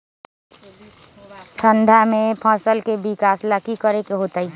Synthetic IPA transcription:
ʈʰə̃ɳɖʱamẽpʰə̃ːsəlkebɪkaːsləkikəɾekeɦoːt̪əi

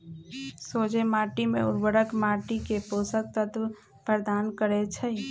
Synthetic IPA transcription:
soːd͡ʒemaːʈimḛ̃ʊ̰ɾbəɽəkmaːʈikeposək̚t̪ət̪ | pəɾd̪aːnkəɾet͡ʃʰə

